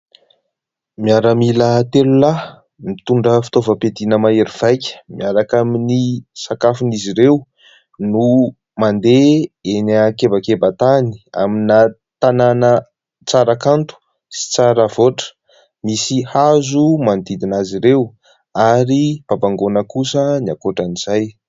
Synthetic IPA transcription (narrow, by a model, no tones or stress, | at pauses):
miaɾəmilət̪elula | mit̪uɳɖ͡ʐəfi̥t̪ovəped̪inəmaeɾiv̥ajkʲə̥miaɾakaminisakafiniziɾew | nu | mand̪eenəkebakebat̪ani̥a̰mina | t̪ananə | t͡saɾakant̪u̥ | si̥t͡saɾəvoʈ͡ʂə̥ | misihazumand̪id̪inaziɾew | aɾib̥abaŋɡonəkusəniakoʈ͡ʂaniz̥aj